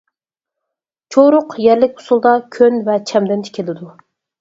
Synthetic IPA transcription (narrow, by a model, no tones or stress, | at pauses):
t͡ʃʰoɾʊqjɛɾlɪk̚ʲo̥sulˠd̪ɑkʲʰønvɛt͡ʃʰɛmd̪ɛnt̪ʰɪ̥kʲʰelɪd̪u